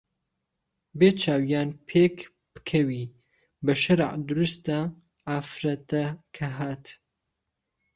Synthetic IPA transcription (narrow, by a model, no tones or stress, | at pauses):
beːt͡ʃʰaːwijaːnpʰeːk | b̥ɨ̥kʰɐwiː | bɐʃɐɾ̰ʕd̪ɨɾust̪a | ʕafɾɐt̪ɐkʰɐɦaːt̪